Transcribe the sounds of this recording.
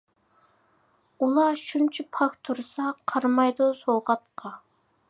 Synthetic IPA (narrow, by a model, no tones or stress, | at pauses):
ulˠɑʃunt͡ʃʰipʰɑkt̪ʰuɾsɑqʰɑɾmɑjd̪usowʁɑt̪̚qʰɑ